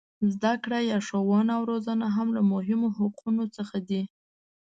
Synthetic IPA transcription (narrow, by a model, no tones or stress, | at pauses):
zd̪akɽajɑʂowɑnawɾozanaɦamlamʊɦɪmoɦaqʰunot͡səxad̪i